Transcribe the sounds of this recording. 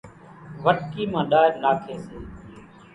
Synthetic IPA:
ʋəʈkiːmãːɗaːɪɾnaːkʰeːseː

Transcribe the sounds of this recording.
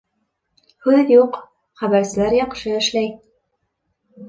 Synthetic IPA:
hʉðjuq | χæβæɾsɘ̆læɾjɑqʃɤɘ̆ʃlæj

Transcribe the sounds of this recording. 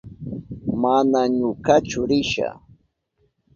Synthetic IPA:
manaɲʊkat͡ʃʊɾɪʃa̰

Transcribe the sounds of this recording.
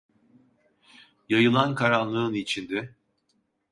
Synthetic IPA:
jajɯlˠankʰaɾanlˠɯɯnit͡ʃʰind̪ɛ

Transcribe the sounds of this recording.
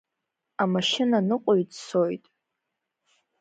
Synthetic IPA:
amaʃɪnanɨqʷʼoɥdso̞jtʼ

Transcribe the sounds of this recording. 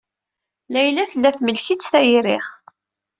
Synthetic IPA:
læjlæθəlːæθməlçit͡sːθæjiɾɪʁ

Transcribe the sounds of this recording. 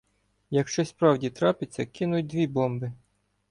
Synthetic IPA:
jɐkʃt͡ʃɔspɾɑwdʲit̪ɾɑpɪt͡sʲːɐkɪnʊjʊt̚ʲd̪ʲʋʲibɔmbɪ

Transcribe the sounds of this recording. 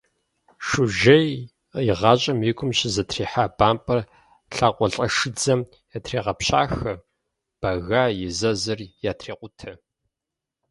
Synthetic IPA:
ʂʊʒɐj | jɪʁɑːɕʼɐmiːkʷʰʊmɕɪzɐtʰriːħaːbaːmpʼɐr | ɬaːqʷɔɬʼɐʂɨd͡zɐm | jatʰreːʁɐpɕa̰ːxɐ | b̥ɐɣaːjɪzɐzɐrjaːtʰreːqʷʊtʰɐ

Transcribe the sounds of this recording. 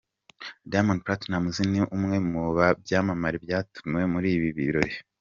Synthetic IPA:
damonpɾatnamuziniʔumŋe̞muβabjaːmamaɾibjaːtu̥mwe̞muɾiːβiβiɾo̞ɾi

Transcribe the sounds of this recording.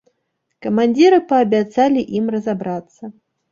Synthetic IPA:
kɐmanʲd͡zʲiɾɨpɐːbʲat̪salʲiʔimrɐzabɾat̪sːɐ

